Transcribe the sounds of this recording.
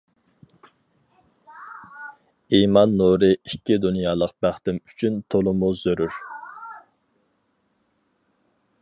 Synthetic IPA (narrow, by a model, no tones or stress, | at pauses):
imɑnːuɾɨikʲːid̪unjɑːlˠəq̚bæχt̪ɪmy̥t͡ʃʰynt̪ʰolˠʊmʊzøɾyɾ